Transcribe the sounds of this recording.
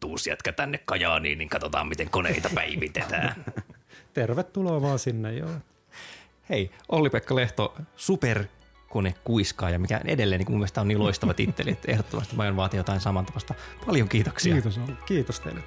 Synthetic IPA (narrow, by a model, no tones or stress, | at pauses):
t̪uːsiɑt̪kæt̪ænːekkɑjɑːnḭːnniŋkɑt̪ot̪ɑ̰ːmmit̪eŋkonḛit̪ɑpæiit̪et̪æ̰ː | t̪erʋet̪ːuloːʋɑːnsinːejjo̰ | heiʔolːipekːɑleht̪osuper | konekkuiskɑːjɑmikæ̰ḛdelːeːniŋkmumːest̪æoniːloist̪ɑʋɑt̪it̪ːḛliet̪ehdot̪ːomɑst̪imɑjonʋɑːt̪ijot̪ɑinsɑmɑnt̪ɑʋɑst̪ɑpɑljoŋkiːt̪oksiɑt̪osokiːt̪ost̪ḛilːæ